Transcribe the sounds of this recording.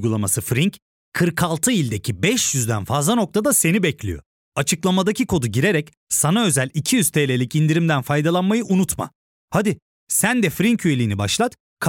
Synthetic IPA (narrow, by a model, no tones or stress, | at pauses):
ɡulˠamasɯfɾiɲc | kʰɯɾkʰalˠt̪ʰɯilʲd̪e̞cʰibɛʃjyzd̪ænfazlˠano̞k̚t̪ʰad̪ase̞nibɛclʲḭjo̞̰ | at͡ʃʰɯklˠamad̪acʰikʰo̞d̪uɟiɾe̞ɾɛc | sanaø̞zælʲicʰijyz̥t̪ʰejlʲe̞lʲicind̪iɾimd̪ænfajd̪alˠanmajɯʔunut̪ma̰ | had̪i | sænd̪ɛfɾiɲcyje̞lʲiːnibaʃlˠat̪ | kʰ